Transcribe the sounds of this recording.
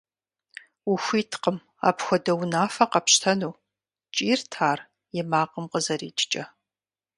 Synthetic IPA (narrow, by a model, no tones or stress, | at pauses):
uxʷiːtʰqəm | a̰ːpxʷɔdɐwnaːfɐqɐpɕtʰɐnuː | t͡ʃʼiːrtʰaːr | jɛmaːqəmqəzɐɾḭːt͡ʃʼt͡ʃʼɐ